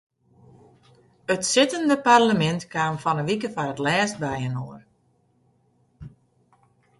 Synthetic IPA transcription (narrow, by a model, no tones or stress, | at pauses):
ətsɪtəndəparləmɛntkaːmfɔnəʋikəfarətlɛːst̚bɛjənoər